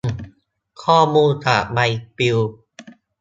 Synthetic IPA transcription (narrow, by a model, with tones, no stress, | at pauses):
kʰɔː˥˩muː˧nt̪ʰa̰˨˩ma˧jpi˧w